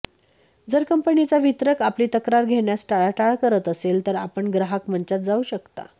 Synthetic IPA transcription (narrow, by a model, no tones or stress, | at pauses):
d͡zəɾkəmpəɳit͡saʋit̪ɾəkapliːt̪əkɾaɾɡʱeɳjasʈaɭaʈaɭkəɾət̪əselt̪əɾapəɳɡɾaɦakm̤əɲt͡ɕat̪̚d͡zauːɕəkt̪a̰